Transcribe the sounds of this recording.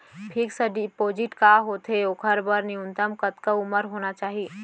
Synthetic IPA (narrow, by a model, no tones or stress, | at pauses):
pʰiksəɖipod͡ʒiʈkaɦot̪ɦeokʰəɾbəɾniunt̪əmkət̪kəʊməɾɦonat͡ʃaːɦi